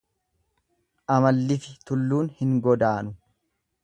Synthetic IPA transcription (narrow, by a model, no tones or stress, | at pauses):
ʔɐmɐlːɪfɪt̪ʊlːuːnhɪŋɡɔd̪aːnʊ